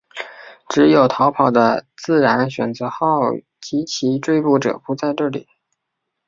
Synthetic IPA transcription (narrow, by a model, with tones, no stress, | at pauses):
ʈ͡ʂɻ̩˧˥jo˨˩ʊt̪ʰɑ˧˥ʊpʰɑ˨˩ʊd̪ə˦t͡sɹ̩˥˩ɻa˧˥nɕɥɛ̰˨˩nt͡sɤ˧˥xɑ˥˩ʊ | t͡ɕi˧˥t͡ɕʰi˧˥ʈ͡ʂwe˥˧ɪpu˥˩ʈ͡ʂɤ̰˨˩pu˧˥t͡sa˥˧ɪʈ͡ʂɤ˥˩lḭ˨˩˦